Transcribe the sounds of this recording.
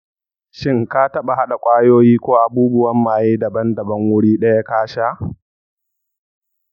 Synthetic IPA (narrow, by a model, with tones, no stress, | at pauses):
ʃɪ˦ŋka˦tɐ˦ɓa˨ɦa˦ɗa˨kʷʼaː˦joː˦jiː˦kʷoː˦ʔa˨buː˦bʊ˦wɐ˦mːaː˨jiː˦dɐ˨bɐ˦ndɐ˨bɐ˦ŋwʊ˦ɽiː˦ɗɐ˦ja˦kaː˦ʃaː˦ʔ